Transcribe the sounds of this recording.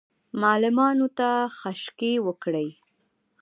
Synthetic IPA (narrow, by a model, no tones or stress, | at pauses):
mɑlɪmɑnot̪axaʃkewəkɽəj